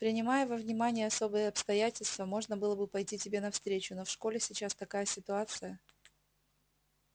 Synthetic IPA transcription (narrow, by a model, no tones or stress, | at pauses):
pɾʲɪnʲɪmajəvəvnʲɪmanʲɪjəɐso̞bɨjəɐpst̪ɐjætʲɪlʲst̪vəmo̞ʐnəbɨlˠəbɨpɐjtʲitʲɪbʲe̞nɐfst̪ɾʲet͡ɕʊno̞fʂko̞lʲɪsʲɪt͡ɕast̪ɐkajəsʲɪt̪ʊat̪sɨjə